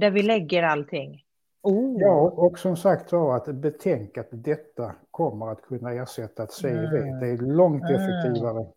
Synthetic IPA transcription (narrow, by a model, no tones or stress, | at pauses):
d̪æɾvɪlɛɡːəɾalt̪ʰɪŋ | uːjɑːɔksɔmsakt̪sat̪bɛt̪ʰɛŋkat̪d̪ɛt̪ːakʰɔmːəɾat̪kʰɵnːaæːʂɛt̪ːaːt̪seːd̪ɛd̪ɛælɔŋt̪ɛfɛk̚t̪ʰiːvaɾə